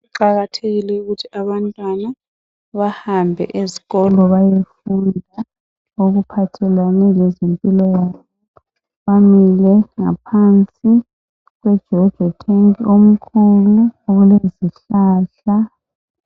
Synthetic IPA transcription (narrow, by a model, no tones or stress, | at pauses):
uǃaɣatʰeɣilɛuɣutʰiaβantʼwana | βahambʱɛ̰ʔeziɣɔlɔβajefundʱa | oɣupʰatʰɛlwanɛlɛzempʼilɔjaːβɔ | βamilɛŋa̰pʰant͡sʼi | ɣwɛd̥ʒ̥ʱɔd̥ʒ̥ʱɔtʰeŋiom̩kʰuluɣuleziɬaːɬa